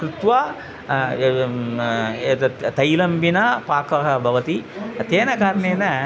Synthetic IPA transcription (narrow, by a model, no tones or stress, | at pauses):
kɾut̪ʋa | eːt̪ɐt̪ɐjlɐmbʱinɐpaːkɐɦɐbʱɐʋɐt̪it̪eːnɐkaːɾɐɳeːnɐ